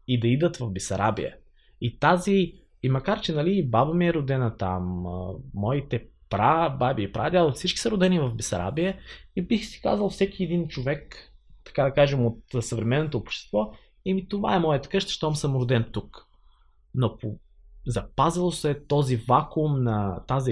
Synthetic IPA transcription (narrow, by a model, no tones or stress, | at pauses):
id̪ɐid̪ət̪vɐvbisɐɾʔa̰bḭə̰ | it̪aziː | mɐkaɾt͡ʃɛnɐlibabɐmiɛɾʊd̪ɛnət̪a̰mː | ɔit̪ɛpɾababiipɾʔa̰d̪ʲjalˠfsit͡ʃki̥səɾʊd̪ɛnivɐvbisɐ̰ɾa̰biəibixsi̥ka̰zvəlˠfsɛk̟ʲiɛd̪int͡ʃovɛkt̪ɐ̥kad̪ɐkaʒɛmot̪səvɾɛmɛnːot̪oːpʃt̪ɛ̥st̪vɔ | imit̪ova̰ɛmɔjət̪ə̥kɤʃt̪ə̥ʃt̪ɔmsəmɾʊd̪ɛnt̪uk | nopo | zɐpazilˠosɛt̪ɔzivakumnɐt̪azi